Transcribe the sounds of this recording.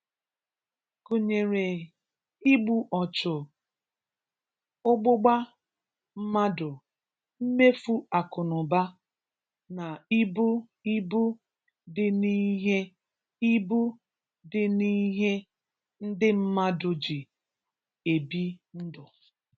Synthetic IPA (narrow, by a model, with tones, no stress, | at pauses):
ku˨ɲe˨ɾe˨ | i˦ɡ͡bu˨ʔɔ˨t͡ʃʊ˨ | ʊ˦ɡ͡bʊ˦ɡ͡ba˦ | m̩˦ma˦dʊ˨ | m̩˦me˦fu˦a˨kʊ˨nʊ˨ba˦ | na˨i˦bu˦ | i˦bu˦ | dɪ˦ni˦ɦe˦ | i˦bu˦ | dɪ˦ni˦ɦe˦ | n̩˦dɪ˦m̩˦ma˦dʊ˨d͡ʒi˨ | e˨bi˦n̩˦dʊ˨